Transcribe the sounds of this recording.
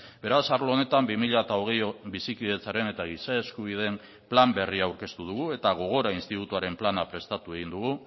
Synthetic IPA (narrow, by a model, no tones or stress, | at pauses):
be̞ɾasaɾloone̞t̪ambimiʎaet̪ao̞ɣ̞e̞jbisikiðe̞t͡saɾe̞ne̞t̪aɣisae̞skuβ̞iðe̞m | plambe̞riawɾke̞st̪uð̞uɣ̞ue̞t̪aɣ̞o̞ɣ̞o̞ɾainst̪it̪ut̪uaɾe̞mplanapɾe̞st̪at̪ue̞ɣind̪uɣu